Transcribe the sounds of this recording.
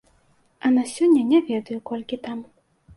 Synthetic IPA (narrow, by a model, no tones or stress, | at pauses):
ɐnasʲɔnʲːɐnʲɛvʲɛd̪ɐjukɔlʲkʲit̪am